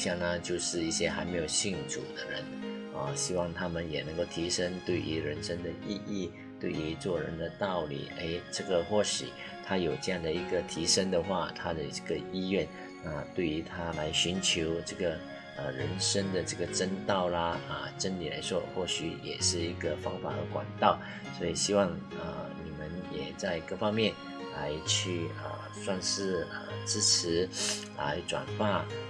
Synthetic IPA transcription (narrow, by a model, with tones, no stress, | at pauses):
ɕjɑ˥˩ŋnə˧t͡ɕjo˥˧ʊʂɻ̩˥˧i˥˩ɕjɛ˥xa˧˥ɪme˧˥jo˨˩ʊɕi˥˩ŋʈ͡ʂʰṵ˨˩d̪ə˦ɻə̰˧˥n | ə˨ɕi˥wɑ˥˩ŋt̪ʰa˥mə˨njɛ˨˩nə˧˥ŋko˥˩ʊt̪ʰi˧˥ʂə˥ŋt̪we˥˩ɪʔy̰˧˥ɻə˧˥nʂə˥ŋd̪ə˨i˥˧i˥˩ | t̪we˥˩ɪy˧˥t͡swɔ˥˩ɻə̰˧˥nd̪ə˨t̪ɑ˥˩ʊlḭ˨˩e˥ɪʈ͡ʂɤ˥˩ɡə˨xwɔ˥˩ɕy̰˨˩˦ | t̪ʰa˥jo˨˩ʊʈ͡ʂɤ˥˧jɑ˥˩ŋd̪ə˩i˧˥ɡə˨t̪ʰi˧˥ʂə˥ŋd̪ə˨xwa˥˩t̪ʰa˥d̪ə˨ʈ͡ʂə˥˩ɡə˨i˥ɥɛ˥˩n | na˥˧t̪we˥˩ɪy˧˥t̪ʰa˥la˧˥ɪɕy˧˥nt͡ɕʰjo˧˥ʊʈ͡ʂɤ˥˩ɡə˩ | ə˨˩ɻə˧˥nʂə˥ŋd̪ə˨ʈ͡ʂɤ˥˩ɡə˩ʈ͡ʂə˥nt̪ɑ˥˩ʊlɐ˩ə˧˩ʈ͡ʂə˥nli˨˩la̰˧˥ɪʂwɔ̰˥xwɔ˥˩ɕy˧˥jɛ̰˨˩ʂɻ̩˥˩i˧˥ɡə˧fɑ˧˥ŋfa̰˨˩ə̰˧˥kwa̰˨˩nt̪ɑ˥˩ʊ | swɔ˧˥i˨˩ɕi˥wɑ˥˩ŋə̰˩ni˨˩mə˧˦njɛ˨˩t͡sa˥˧ɪkɤ˥˧fɑ˥ŋmjɛ˥˩n | la˧˥ɪt͡ɕʰy˥˩ə̰˩ | swa˥˧ŋʂɻ̩˥˩ə̰˩ʈ͡ʂɻ̩˥ʈ͡ʂʰɻ̩˧˥la̰˧˥ɪʈ͡ʂwa̰˨˩nfa˥˩